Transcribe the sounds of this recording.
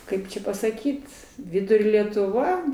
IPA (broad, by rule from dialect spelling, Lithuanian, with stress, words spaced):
ˈkɐɪp t͡ʃʲɛ pɐsɐˈkʲiːt ˈʋʲɪdʊrʲoː lʲɛtʊˈʋɐ